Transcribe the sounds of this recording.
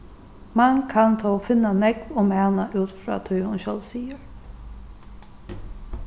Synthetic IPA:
mankʰant̪ʰɔfɪnːanɛkvʊmanaʔʉːt̪fɾa̰ːt̪ʰʊjhʊnɕɔlvsiːjəɹ

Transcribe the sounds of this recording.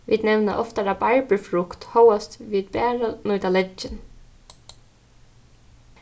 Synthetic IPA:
ʋiːd̪nɛʋna̰ʔɔft̪aɾabaɹpəfɾʊkt̪howast̪ʋiːd̪bæːɹanujt̪alɛɪn

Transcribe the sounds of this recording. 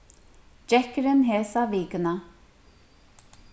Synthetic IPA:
d͡ʒɛkɾɪnɦɛːsaviːkəna

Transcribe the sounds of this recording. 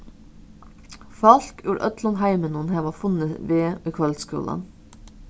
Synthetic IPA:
fɑlkʉːɾʔœ̰t̪lɔnhæɪmənʊnheːʋɑːfʉnəʋeːykʰʋœlskʉ̰ːlə̰n

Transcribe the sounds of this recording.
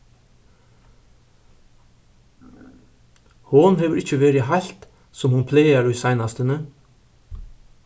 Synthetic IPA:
hʊnheːʋəɾɪçəʋeːɾɪhɑʎt̪ | sɔmhʊnpʰleɪɑɾʉːsæɪnɑst̪ənə

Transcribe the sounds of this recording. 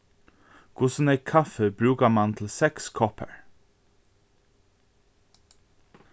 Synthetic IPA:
kʰʊsn̩ekʰɑfəbɾʉːkəmɑnt̪ʰl̩sɛkskʰɔpʰə̰ɹ

